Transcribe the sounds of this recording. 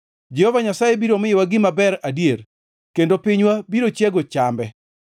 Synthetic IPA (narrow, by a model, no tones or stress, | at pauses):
d͡ʒɛhɔvaɲasajebiɾomɪjɪwaɡɪmabɛɾadijer | kendopɪɲwabiɾot͡ʃɛɡot͡ʃambɛ